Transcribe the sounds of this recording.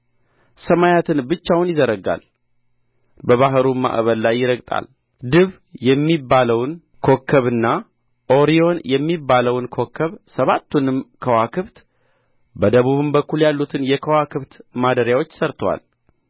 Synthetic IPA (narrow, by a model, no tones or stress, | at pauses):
səmajat̪ʰɨnbɨt͡ʃːawnjɪzəɾəɡa̰l | bəβaɦɾuma̰ʔβəllajːɪɾəɡt̪ʼa̰l | d̪ɨβ | jɛmːibːaləwn | kʰo̞kʰːəβɨnːa | ʔo̞ɾio̞njɛmːibːaləwnkʰo̞kʰːəβsəβat̪ːunɨmkʰəwakʰɨβt̪ | bəd̪əβuβɨmbəkːuljalːut̪ʰɨnjɛkʰəwakʰɨβt̪mad̪əɾjawo̞t͡ʃːsəɾt̪ʰwa̰l